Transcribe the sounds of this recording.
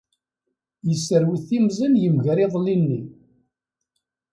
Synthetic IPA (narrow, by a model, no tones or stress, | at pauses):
jəsːəɾwiθimzənjəmʝɾeðˤlinːi